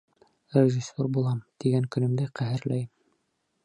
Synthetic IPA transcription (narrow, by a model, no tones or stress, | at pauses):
rʲɪʒisʲːorbulˠɑmt̪iɡæŋkɵ̆nɘ̆md̪æqæɦɘ̆ɾlæj